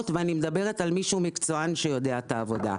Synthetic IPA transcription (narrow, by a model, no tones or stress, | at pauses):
tveanimed̪abe̞ʁ̞e̞t̪almiʃuːmikt͡so̞anʃejo̞d̪e̞at̪aːvo̞d̪a̰